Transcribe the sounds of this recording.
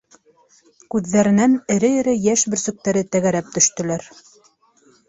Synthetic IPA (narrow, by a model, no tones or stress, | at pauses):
kʉðːæɾɘ̆nænɘ̆ɾɘjɘ̆ɾɘjæʃbɘ̆ɾsɵ̆k̚t̪æɾɘt̪æɣæɾæp̚t̪ɵ̆ʃt̪ɵ̆læɾ